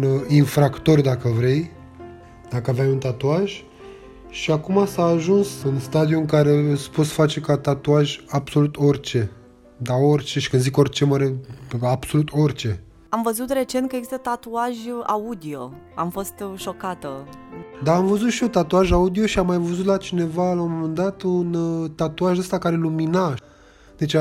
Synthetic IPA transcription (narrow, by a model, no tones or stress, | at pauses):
ninfɾakt̪o̞rʲd̪akəvɾe̞j | d̪̥akəavamunt̪at̪uaʒʲ | ʃiakumasaːʒunsɨnst̪ad̪iuɨŋkaɾe̞spo̞t̪sfat͡ʃe̞kat̪at̪uaʒʲabso̞lut̪o̞rʲt͡ʃe̞ | d̪ao̞rʲt͡ʃeʃi̥kɨnd̪ziko̞rʲt͡ʃe̞məɾeabso̞lut̪ʰo̞rʲt͡ʃe̞ | amvəzut̪re̞t͡ʃe̞nt̪̚kəjeɡzist̪ət̪at̪uaʒʲa̰ud̪io̞̰ | a̰mfo̞st̪ʃo̞kat̪əd̪aːmvəzut̪ʃio̞t̪at̪uaʒaud̪io̞ʃiamːajvəzut̪lat͡ʃine̞valawmomend̪at̪unt̪at̪uaʒəst̪akaɾe̞lumina | d̪̥e̞t͡ʃ